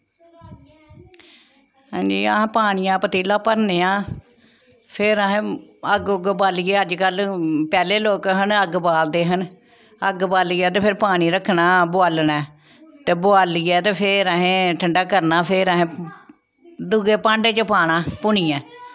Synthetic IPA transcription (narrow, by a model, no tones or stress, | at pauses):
ɦãːd͡ʒḭːəɦpaːɽ̃ijãːpət̪iːlãːpəɾneːãː | pʰɪɾəɦẽːəɡɡbaːlieːəd͡ʒkəlpɛːleːloːkɦənəɡbaːld̪eːɦən | əɡbaːliːɛːt̪̬eːpʰɪɾpaːɽ̃iːɾəkʰnaːbʊaːlnɛː | t̪eːbʊaːliːɛːt̪eːpʰɪɾəɦẽːʈʰəɳɖaːkəɾnaːpʰɪɾəɦẽː | d̪ʊɡeːpãːɳɖeːt͡ʃəpaːɽaːpʊɳ̃iːɛ̃ː